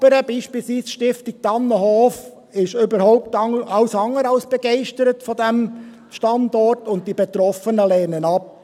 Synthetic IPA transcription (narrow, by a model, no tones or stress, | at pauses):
b̥əɾəbiːʃpilsʋiːsʃtɪftɪk̚tɑnːəɦɔːf | ɪʃøbəɾhoʊp̚tɑʊsɑŋːəɾɑlsb̥ɛɡ̥ɛɪʃtəɾətfɔdæm | ʃtɑndɔrtʊnt̚dibetɾɔfənəlɛːnənɑp̚